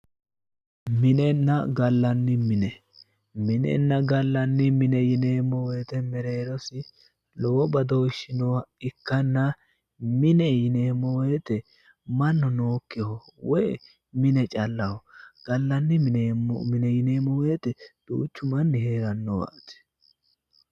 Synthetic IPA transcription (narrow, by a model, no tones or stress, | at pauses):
mɪnɛnːɐɡɐlːɐnːɪmɪnɛ | mɪnɛ̰nːɐɡɐlːɐnːɪmɪnɛjɪneːmːɔweːt̪ɛmɛɾeːɾɔsɪ | lɔwɔbɐd̪ɔwɪʃɪnɔwɐɪkːɐnːɐ | mɪnɛjɪneːmːɔwet̪ɛ | mɐnːɔnoːkːɛhɔwɔjɛ̰ | mɪnɛt͡ʃʼɐlːɐwɔɡ̥ɐlːɐnːɪ̰mɪnɛjɪneːmɔwet̪ɛd̪̥ṵːt͡ʃːʊmɐnːɪheːɾɐnːɔwɐ̰t̪ɛ̥